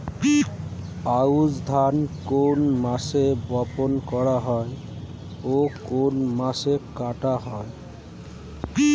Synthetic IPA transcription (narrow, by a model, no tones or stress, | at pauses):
pauzd̪ʱankonmasebɔponkɔɹaɦɔje | okonmasekaʈaɦɔj